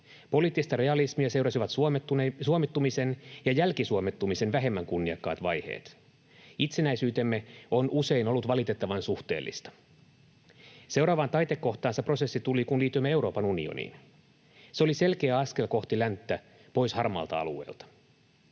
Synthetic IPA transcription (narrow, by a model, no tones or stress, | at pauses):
po̞liːt̪ːist̪ɑɾe̞ɑlismiæse̞wɾɑsiʋɑt̪ːsuomit̪ːumise̞njɑjælkisuomet̪ːumise̞nʋæɦe̞mːæŋkunːiɑkːɑ̰ːt̪ʋɑjhe̞̰ːt̪ | it̪se̞næisyːt̪e̞mːe̞o̞nʔuse̞inolːut̪ʋɑlit̪e̞t̪ːɑʋɑnsuht̪e̞̰ːlːḭst̪ɑ̥ | sewɾɑːʋɑːnt̪ɑjt̪ekːo̞ht̪ɑːnsepro̞se̞sːit̪ulikunliːt̪ːˑyimːee̞wɾo̞ːpɑnunḭo̰nḭːn | seolise̞lkeæɑske̞lko̞ht̪ilænt̪ːæ | po̞jshɑrmɑ̰lt̪ɑ̰ɑ̰lue̞̰ːlt̪ɑ̥